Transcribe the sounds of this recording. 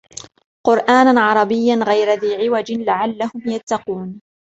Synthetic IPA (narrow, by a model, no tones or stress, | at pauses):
qʊɾʔaːnaʕɑɾˤɑbɪjːanɣajɾaðiːʕɪwad͡ʒɪlaʕalːahʊmjat̪ːɑquːn